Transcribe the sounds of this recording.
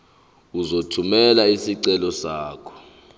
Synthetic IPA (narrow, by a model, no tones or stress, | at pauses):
uzotʰumɛlaisiǀɛlɔsaːkʰɔ̥